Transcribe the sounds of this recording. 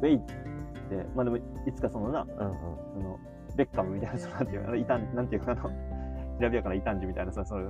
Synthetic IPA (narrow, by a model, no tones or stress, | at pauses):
eit̪ːt̪ːe̞maːd̪e̞moit͡sɨ̥kaso̞nonaɯ̟̃ːɯ̰̃so̞no̞ | be̞kːamɯ̟mʲit̪ainasononãnt̪ejɯ̟̰a̰nit̪ãɲnãnt̪eiɯ̟kaaːnoɕiɾabʲijakaɾait̪ãɲ̟d͡ʑimʲit̪ainasosoɾe